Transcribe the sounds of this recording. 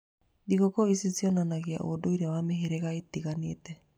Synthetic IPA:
diɣɔkɔisisiɔnanaɣea̰ʔodoiɾɛawameɦeɾeɣaet̪iɣanietɛ

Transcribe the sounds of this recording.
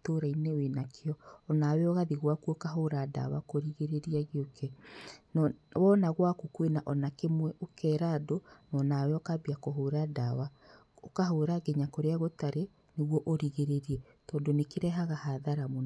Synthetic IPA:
toɾainewenakʰeɔːnawɛɔɣaðiɣwakuokaɦoɾada̰wakoɾiɣeɾeɾiaɣeokʰɛnɔwɔnaɣwakukwenaʔɔnakemwɛʔokɛːɾadonɔːnawɛɔkabiakoɦoɾadawa | okaɦoɾaɡɛɲakoɾeaɣotaɾe | neɣwɔʔoɾiɣeɾeɾiɛ | tɔːndonekeɾɛɦaɣahaðaɾamon

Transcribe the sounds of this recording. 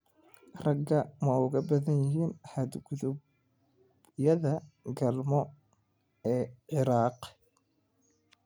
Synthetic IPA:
rɐɡːɐmɐʊɣɐbɐðɐnjɪɦiːnhɐd̪ɡʊðʊb | jɐðɐɡɐlmɔ | ɛːʕɪɾɑːq

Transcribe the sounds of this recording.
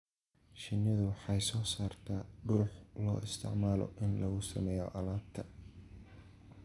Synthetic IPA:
ʃɪnːɪðʊwɑħɑjsɔːsaːrt̪ʰaːɖʊːħlɔ̰ːʔɪst̪ʰɪ̰ʕmaːlɔ̰ʔɪnlɐɣʊsɐ̰mɛːjɔ̰ʔɐlaːbt̪ʰɐ

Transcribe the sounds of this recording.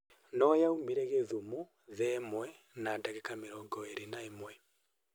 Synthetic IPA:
nɔjaumiɾɛɣeðumo | ðɛmwɛ | nadaɣekameɾɔːŋɡɔeɾenaemwɛ

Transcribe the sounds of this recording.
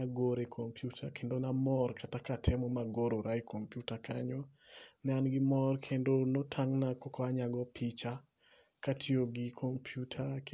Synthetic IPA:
aɡoɾekʰompjutʰakʰendonamɔrkatakatʰemomaɡoɾoɾajkʰompjutakʰa̰ɲɔnɛanɡɪmɔrkʰendonotʰaŋnakɔkɔaɲaɡɔpit͡ʃa | katʰioɡɪkʰompʰjutʰak

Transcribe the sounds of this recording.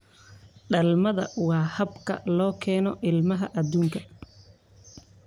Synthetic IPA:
ɖɐlmɐðɐ̰wɑːhɐbkʰɐ̰lɔːkʰɛːnɔʔɪlmɐɦɐʔɐd̪uːŋkʰɐ̥

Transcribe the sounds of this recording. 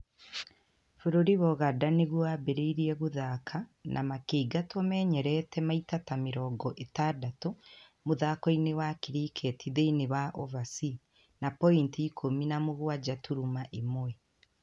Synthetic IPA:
foɾoɾiβɔɣadaneɣwabeɾeiɾiɛɣoðakʰanʔa̰makeːɡatwɔmɛːɲɛɾɛtʰɛmaitatameɾɔːɡɔʔetaːdatomoðakɔinewakiɾiːkʰɛtiðeinewaʔɔvasi | napɔintiːkʰominamoɣwad͡ʒatuɾumaʔemwɛ

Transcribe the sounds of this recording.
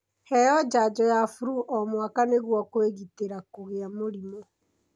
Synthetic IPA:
hɛjɔd͡ʒad͡ʒɔjafuɾuʔɔmwakaneɣwɔkweɣiteɾakoɣeamoɾimɔ

